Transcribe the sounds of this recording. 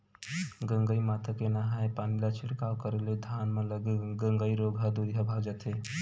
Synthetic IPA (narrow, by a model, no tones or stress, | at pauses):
ɡəŋɡəimat̪ʰəkenaɦaepanilat͡ʃʰɪɽkawkəɾelod̪ʱanmẽləɡeɡə̃ŋɡəiɾoɡʱɦad̪uɾiɦabʱad͡ʒət̪e